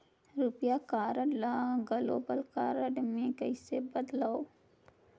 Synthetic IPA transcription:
ɾupjakaːɾəɖlaːɡəlo̰ːbəlkaːɾəɖmẽkəɪsebɐd̪laːo

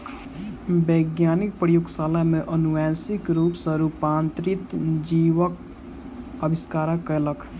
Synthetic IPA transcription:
beɡjaːnɪk̚pɾəjoɡsaːləmẽʔənuʋasɪkɾuːpsəɾupaːnt̪ɾɪt̪d͡ʒiːʋək | əbɪskaːɾakələkʰ

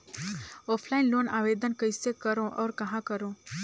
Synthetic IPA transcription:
ɔːpʰlaːɪnloːnaːʋeːd̪ənkəjsekəɾõʔɔːɾkɐɦãkəɾõ

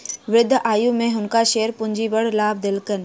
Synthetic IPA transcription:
ʋɪd̪ʱʔaːjũmẽɦʊnkaʃeːəɾpʊ̃ɲd͡ʑiʋɐɽlaːb̚d̪ɪlkən

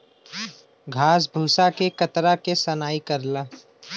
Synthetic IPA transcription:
ɡʱaːs̬bʱuːsakekət̪ɾakesɐnaːikəɾlaː

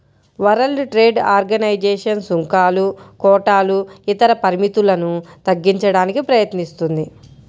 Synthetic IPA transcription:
ʋɐɾɐlɖʈɾeːɖaːɾɡɐnɐjd͡ʒɛːʂɐnsuŋkaːlukɔːʈaːluit̪ɐɾɐpɐɾimit̪ulɐnut̪ɐɡːiɲt͡ʃɐɽaːnikipɾɐjɐt̪nist̪und̪i

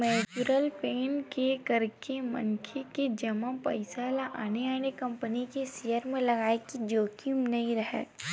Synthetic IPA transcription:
mɛːt͡ʃuɾəlpeːnkekɐɾkemɐ̰nkʰeked͡ʒɐmãpɐ̰ɪsalaʔaːneaːnekɐ̃mpənikesejəɾmẽlɐɡaːekid͡ʒoːkimnɐɦĩɾɐɦḛː

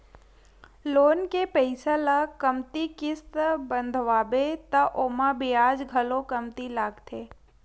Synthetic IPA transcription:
loːnkepəɪsalakəmt̪ikɪst̪bə̃nd̪ʱʋaːbet̪ɐʔoːmabiaːd͡ʒɡʱɐlokɐmt̪ilaːɡt̪ʰeː

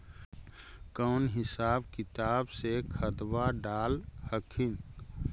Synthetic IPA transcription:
kəːnɦɪsaːbkɪt̪aːbsekʰəd̪waɖaːlhəkʰin

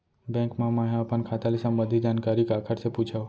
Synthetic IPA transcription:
bɛ̃ŋkmãmãɦjãapənkʰat̪alisambəd̪ʱid͡ʒankaɾikakʰəɾseput͡ʃʰa

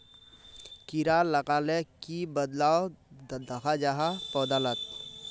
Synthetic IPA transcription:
kiɾalɐkaːlekibəd̪laːod̪ɐkʰad͡ʒaɦapɔːd̪alət̪̚

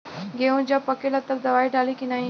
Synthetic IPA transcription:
ɡeũd͡ʑjapəkelat̪əbd̪ɐʋaːiɖʱaːlikinaːɦĩ

